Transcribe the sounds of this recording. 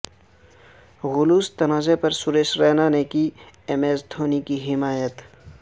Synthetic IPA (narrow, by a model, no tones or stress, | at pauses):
ɣʊluːst̪ɐnaːzepɐɾsʊɾeːʃɾɛːnanekiemeːsd̪ʰʱoːnikiɦɪmaːjət̪